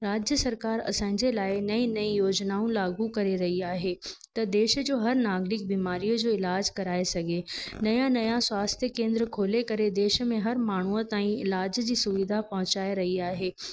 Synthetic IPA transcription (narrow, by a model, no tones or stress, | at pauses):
ɾaːd͡ʑjəsɐɾkaːɾɐ̰sãːɪ̃ɲd͡ʑelaːɪnɐĩnɐĩjoːd͡ʑnaːũlaːɡukɐɾeɾɐɦiaːɦet̪ɐd̪eːʃəd͡ʑoːɦɐɾnaːɡɾɪk̚biːmaːɾijəd͡ʑoːɪlaːd͡ʑkɐɾaːesɐɡʱenɐjãnɐjãswaːst̪ʰjəkẽːnd̪ɾəkʰoːlekɐɾed̪eːʃə̆mẽɦɐɾmaːɳ̤uət̪aːĩɪlaːd͡ʑd͡ʑiːsʊʋid̪ʱapɐɦʊ̃t͡ɕaːeɾɐɦiaːɦeː